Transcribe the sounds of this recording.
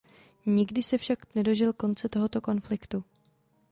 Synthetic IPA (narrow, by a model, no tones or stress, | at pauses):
ɲɪɡdɪsɛfʃaknɛdo̞ʒɪlko̞nt͡sɛt̪o̞ɦo̞t̪o̞ko̞nflɪkt̪u